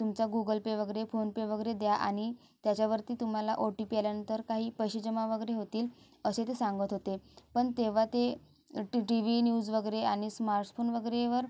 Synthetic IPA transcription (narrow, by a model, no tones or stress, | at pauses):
t̪umt͡ɕaɡuɡəlpeʋəɡəɾefonpeʋəɡəɾed̪jaʔa̰ɽ̃i | t̪jat͡ɕaʋəɾt̪iːt̪um̤alaʔoʈiːpialjanənt̪əɾkaɦiːpəjɕəd͡ʑəmaʋəɡəɾeɦot̪iːl | əset̪esãŋɡət̪ɦot̪epəɳt̪eʋ̤at̪e | ʈiʋinjuːd͡zʋəɡəɾeaɽ̃ismaɾʈfʰonʋəɡəɾeʋəɾ